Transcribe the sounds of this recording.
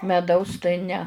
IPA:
mʲɛˈdɐʊs tɐɪ nʲɛ

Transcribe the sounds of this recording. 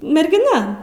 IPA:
mʲɛrʲɡʲɪˈnɐ

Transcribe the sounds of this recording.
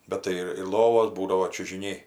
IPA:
ˈbʲɛt tɐɪ ɪr ɪr ˈlˠoːʋoːs ˈbuːdɐʋoː t͡ʃʲʊʒʲɪˈnʲɛɪ

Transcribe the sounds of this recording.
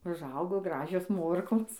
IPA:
ʊʒˈɐʊɡoː ˈɡrɑːʒʲoːs ˈmoːrkoːs

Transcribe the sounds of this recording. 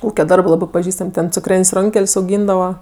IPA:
ˈuːkʲɛ ˈdɐrbɜ ˈlˠɑːbɜ pɐˈʒʲiːstɐmʲ tʲɛn t͡sʊkˈrʲeːnʲsʲ ˈroːŋʲkʲɛlʲsʲ ɐʊˈɡʲiːndɐʋɐ

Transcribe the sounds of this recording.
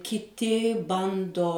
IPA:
kʲɪˈtʲɪ ˈbɐndoː

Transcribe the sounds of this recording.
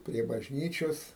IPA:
pʲrʲiɛ bɐʒʲˈnʲiːt͡ʃʲoːs

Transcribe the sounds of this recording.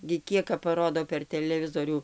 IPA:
ɡʲɪ ˈkʲiɛk kɐp pɐˈroːdoː pʲɛr tʲɛlʲɛˈʋʲɪzoːrʲuː

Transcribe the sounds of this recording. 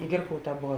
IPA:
ˈɡʲɪrkɐʊˌtɑː ˈboːʋɐ

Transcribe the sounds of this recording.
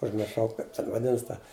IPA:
ʊʒʲmʲɪrˈʃɐʊ ˈkɐɪp tʲɛn ʋɐˈdʲɪnɐs tɐ

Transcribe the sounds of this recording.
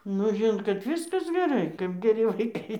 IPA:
nʊ ˈʒʲɪnoːt kɐt ˈʋʲɪskɐs ɡʲɛˈrɐɪ kɐp ɡʲɛˈrʲɪ ʋɐɪˈkɐɪ

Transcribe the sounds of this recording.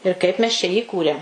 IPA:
ɪr ˈkɐɪp mʲɛs t͡ʃʲɛ jiː ˈɪkuːrʲeːm

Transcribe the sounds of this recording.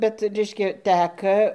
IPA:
ˈbʲɛt ˈrʲɛɪʃʲkʲɛ ˈtʲækɐ

